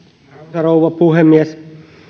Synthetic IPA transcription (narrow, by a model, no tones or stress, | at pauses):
ɑrouʋɑpuhemːies